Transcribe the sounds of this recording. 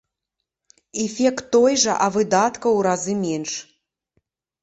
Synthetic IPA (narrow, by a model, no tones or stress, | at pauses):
ɛfʲɛkt̪ːɔjʐɐʔɐvɨd̪at̪kɐwɾazɨmʲɛnʂ